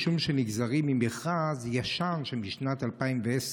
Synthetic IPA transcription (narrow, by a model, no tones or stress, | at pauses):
ʃumʃɛniɡzaʁimimɛχʁazjaʃanʃɛmiʃnat̪alpaimvɛɛs